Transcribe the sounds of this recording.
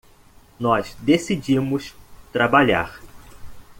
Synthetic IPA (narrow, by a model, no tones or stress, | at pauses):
nɔzd̪esid͡ʒimʊst̪ɾabaʎa̰ɾ